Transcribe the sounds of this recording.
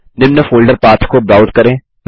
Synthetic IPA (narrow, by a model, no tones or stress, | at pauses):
nɪmnəfoːlɖəɾpaːt̪ʰkobɾaːʊzkɐɾẽː